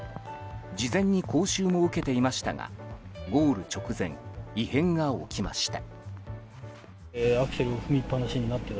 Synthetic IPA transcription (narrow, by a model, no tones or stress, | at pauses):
d͡ʑizẽ̞ɲ̟ːikʰo̞ːɕɨːmo̞ɯ̟ke̞t̪e̞imaɕi̥t̪a̰ŋa̰ɡo̞ːɾɯ̟t͡ɕo̞kɯ̟zẽ̞̰ŋihẽ̞ŋɡao̞̰kʲima̰ɕi̥t̪a̰ | akɯ̟̥seɾɯoɸɯ̟mʲipːanaɕiɲ̟inat̪ːe